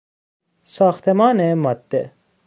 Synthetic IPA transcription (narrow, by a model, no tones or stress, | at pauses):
saːxt̪emaːnemɐt̪ːe